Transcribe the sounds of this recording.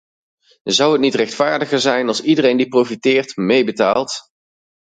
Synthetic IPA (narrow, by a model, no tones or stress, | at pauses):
zʌwɦətnitrɛχtfaːɹdəχəɹzɛjnɑlˠsidərejndiprowfitɪːɹtmejbətaːlˠt